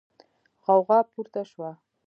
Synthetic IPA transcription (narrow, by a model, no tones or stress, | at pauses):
ʁɑwʁɑpʰuɾt̪aʃwa